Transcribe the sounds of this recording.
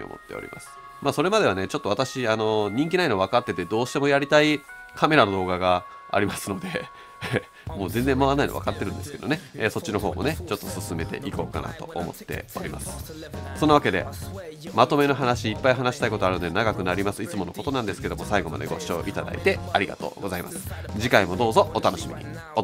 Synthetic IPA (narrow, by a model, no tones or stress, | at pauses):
o̰mo̰t̪ːe̞̰o̰ɾʲḭmʔa̰sɨ̥ | maːso̞ɾe̞mad̪e̞βanet͡ɕo̞t̪ːo̞at̪aɕiano̞ɲ̟ĩŋk̬ʲinainoβ̞akat̪ːe̞t̪e̞d̪o̞ːɕi̥t̪e̞mo̞jaɾʲit̪ai | kʰame̞ɾano̞d̪o̞ːɡaɡa | a̰ɾʲimasɨno̞d̪e̞ | mo̞ːzẽ̞nd͡zẽ̞mːaβanːaino̰βa̰kat̪ːeɾɯ̟̃nd̪e̞sɨ̥ke̞d̪o̞ne̞ːso̞tt͡ɕːino̞ɦo̞ːmo̞̰ne̞t͡ɕo̞t̪ːosɨsɨme̞t̪e̞̰ʔiko̞̰ːka̰na̰t̪o̞̰ʔomo̞̰t̪ːe̞̰o̞̰ɾʲima̰sɨ̥so̞nːaβake̞d̪e̞̰mat̪o̞me̞no̞ɦanaɕiːpːaiɦanaɕi̥t̪aiko̞t̪o̞aɾɯ̟nod̪enaɡakɯ̟naɾʲimasɨit͡sɨmo̞no̞ko̞t̪o̞nãnd̪esɨ̥ke̞d̪o̞mo̞saiɡo̞ma̰d̪e̞ɡo̞ɕio̞ːʔit̪ad̪a̰ḭt̪e̞aɾʲiɡa̰t̪o̞̰ːɡo̞zaimasɨ̥d͡ʑikaimo̞d̪o̞ːzo̞ːt̪ano̞ɕimʲḭɲ̟ʲḭo